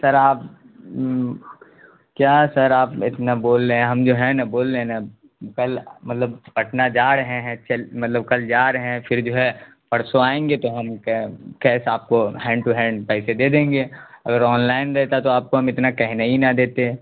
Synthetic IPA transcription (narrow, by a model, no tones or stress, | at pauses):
sɐɾaːp | kjaːsɐɾaːpɪ̰t̪naboːlːẽɦɐmd͡ʒoɦɛ̃nɐboːlːena | kɐlmɐt̪ləb̚pɐʈnad͡ʒaːɾɦẽɦɛ̃t͡ʃɐlmɐt̪ləb̚kɐld͡ʒaːɾɦɛ̃fʰɪɾd͡ʒoːɦɛ | pɐɽsoaːẽːŋɡet̪oɦɐmkkɛːsaːp̚koɦɛ̃ːɳɖʈuɦɛ̃ːɳɖpɛːsed̪eːd̪ẽːŋɡeːɐɡəɾɔːnlaːɪnɾɛɦt̪at̪oaːp̚koɦɐmɪt̪nakɛɦnaɦinad̪eːt̪eɛ̃